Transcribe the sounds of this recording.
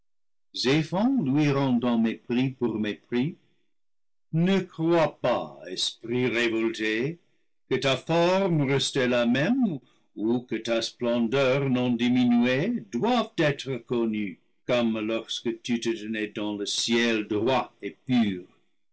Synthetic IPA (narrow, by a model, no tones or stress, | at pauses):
zefɑ̃lwiʁɑ̃dɑ̃mepʁipuʁmepχi | nəkʁwapa̰ɛ̰spʁiʁevɔlte | kətafɔʁmrɛstɛlamɛ̃m | ukətasplɑ̃dœʁnɔ̃diminyedwavtɛtʁəkɔny | kɔmlɔʁskətyt̪ət̪ənɛdɑ̃ləsjɛldʁwaepyːʁ